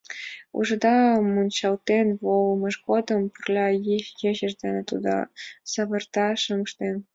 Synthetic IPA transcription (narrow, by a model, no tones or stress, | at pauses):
ṵʒɤ̆d̪ɑmunʲt͡ɕɑlt̪enβolˠmɤ̆ʃɡod̪ɤ̆mpurlʲɑjiʃjeʑə̆ʒd̪enĕt̪ud̪ɑ̰sɑβɤ̆rt̪ɑʃɤmə̆ʃt̪en